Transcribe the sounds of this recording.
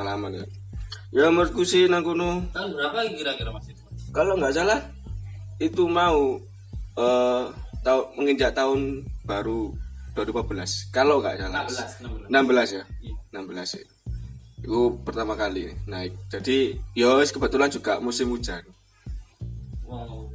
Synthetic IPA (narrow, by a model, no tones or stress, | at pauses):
alamanja̰ | jaməɾt̪̚kusinaŋkunubɾaaiɾaiɾa | kaloŋɡaʔsalah | it̪umau | ət̪aʊməŋind͡ʒaʔt̪aʊnb̥aɾud̥uadupabəlaskaloŋɡa̰ʔsala | nambəlasjanambəlasa̰ | ikupərt̪amakalḭnaɪk̚d͡ʒ̥adijoskəbət̪uland͡ʒuɡaʔmusɪmud͡ʒanu